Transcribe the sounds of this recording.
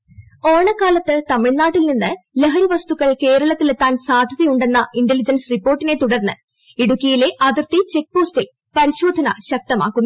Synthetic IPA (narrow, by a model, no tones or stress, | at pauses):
o̞ːɳɐkːaːlɐt̪ːɨt̪ɐmiɭnaːʈːilninːɨleɦɐɾiʋɐst̪uɣːɐɭke̞ːɾɐɭɐt̪ːilet̪ːaːnsaːd̪ʱɐðɐjuɳɖenːɐʔindelid͡ʑɐnsripːoːrʈːine̞t̪uɽɐrnːɨ | iɽukːijile̞ʔɐðirt̪it͡ɕe̞k̚ːpo̞ːstil | pɐɾiɕo̞ːd̪ʱɐnɐɕɐk̚t̪ɐma̰ːkːumː